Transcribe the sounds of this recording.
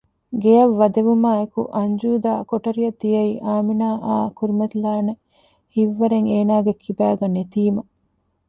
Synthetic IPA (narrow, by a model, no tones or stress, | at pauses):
ɡejɐʋːɐd̪eʋumaːekṵʔɐɲd͡ʒuːd̪aːkoʈɐɾijɐd̪ijɐiːʔaːminaːʔaːkuɾimɐt̪ilaːnɐ | hiʋːɐɾeŋeːnaːɡekʰːibæːɡɐnet̪iːmɐ